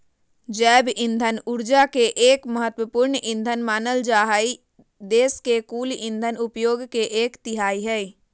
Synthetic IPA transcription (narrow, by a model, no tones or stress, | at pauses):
d͡ʒɛːbɪ̃nd̪ʱənʊɾd͡ʒakeʔeːkməɦət̪wəpuɾɳʔɪ̃nd̪ʱənmaːnəld͡ʒaːɦai | d̪eːskekuːlɪ̃nd̪ʱənʊpjoːɡkeʔeːkt̪ɪɦaːiɦɛi